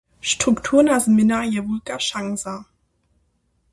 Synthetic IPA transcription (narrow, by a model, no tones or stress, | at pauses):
ʃtʁ̥uktʰuːnazmɪnajɛvulkaʃaŋza